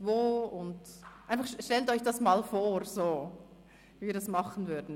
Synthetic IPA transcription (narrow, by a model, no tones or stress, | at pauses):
voːʊntʔaɪnfɑχʃʃtɛltɔʏçd̥ɑsmaːlfoːʁz̥oː | viːdɑsmɑχən̩vʏɐdn̩